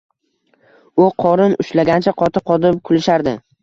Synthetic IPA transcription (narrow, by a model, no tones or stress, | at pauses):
ʊqʰɒɾɪnʊ̰ʃlaɡʲant͡ʃʰaqʰɒt̪ʰɨqʰɒd̪ɪpkʲʰʊlɪʃaɾd̪ɪ